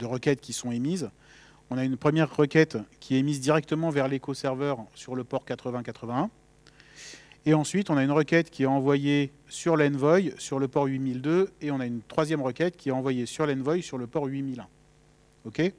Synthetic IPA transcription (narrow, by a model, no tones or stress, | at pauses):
d̪əʁəkʲɛt̪kʲisɔ̃emiz | ɔ̃naynpχəmjɛʁːəkʲɛt̪kʲʰiɛmizd̪iʁɛk̚t̪əmɑ̃vɛʁlekosɛʁvœʁsyʁləpɔʁkat̪χəvɛ̃kat̪χəvɛ̃ɛ̃ | eɑ̃sɥit̪ɔ̃naynʁəkʲɛt̪kʲiɛɑ̃vwaje | syʁlɛnvɔjsyʁləpɔʁɥimild̪øeɔ̃naynt̪χwazjɛmʁəkʲɛt̪kʲʰiɛɑ̃vwajesyʁlɛnvɔjsyʁləpɔʁɥimilɛ̃ | okʲe